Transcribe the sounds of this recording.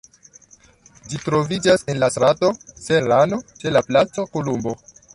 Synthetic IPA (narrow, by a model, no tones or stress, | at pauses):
d͡ʒitɾo̞vid͡ʒase̞nlasɾato̞se̞ɾano̞t͡ʃe̞laplat͡sokolumbo̞